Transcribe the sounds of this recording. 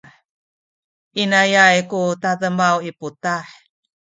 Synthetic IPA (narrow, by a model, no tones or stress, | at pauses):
inajajkutaðəmawiputaħ